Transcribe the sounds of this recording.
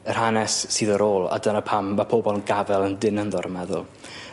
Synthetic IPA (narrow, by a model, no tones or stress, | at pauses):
ər̥hanɛsːiːðəɾoːlˠa̰dənəpʰamːapʰobɔlˠnɡavɛlˠəndɪnənðɔɾmɛðʊ̰lˠ